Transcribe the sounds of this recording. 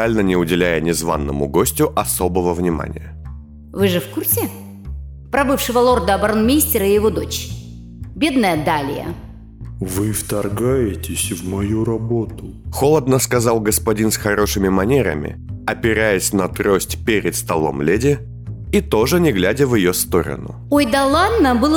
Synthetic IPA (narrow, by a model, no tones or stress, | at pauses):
alʲnənʲɪʊdʲɪlʲæjənʲɪzva̰nːə̰mʊ̰ɡosʲtʲʊʔɐso̞bəvəvnʲɪma̰nʲɪ̰jə | vɨʐɨfkursʲɪ | pɾɐbɨfʂɨvəlˠord̪əɐbɐɾnmʲesʲtʲɪɾəɪjɪvod̪ot͡ɕ | bʲed̪nəjəd̪alʲjə̰ | vɨft̪ɐrɡajɪtʲɪsʲvmɐjuɾɐbot̪ʊxolˠəd̪nəskɐzɑlˠɡəspɐdʲinsxɐɾo̞ʂɨmʲɪmɐnʲeɾə̰mʲɪ̰ɐpʲɪɾajəsʲnɐt̪ɾosʲtʲpʲeɾʲɪt̪st̪ɐlˠo̞̰mlʲedʲɪ | it̪o̞ʐɨnʲɪɡlʲædʲɪvjɪjost̪o̞ɾə̰nʊ̰ | ojd̪ɐlˠanːəbɨlˠ